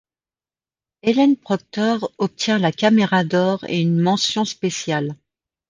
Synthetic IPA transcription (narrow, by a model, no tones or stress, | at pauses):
elɛnpχɔk̚t̪ɔʁɔp̚t̪jɛ̃lakʲameʁad̪ɔʁḛynmɑ̃sjɔ̃spesjal